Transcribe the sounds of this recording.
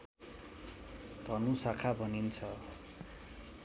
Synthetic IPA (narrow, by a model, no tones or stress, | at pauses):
t̪ʌnũsakʰabʱʌnint͡sʰʌ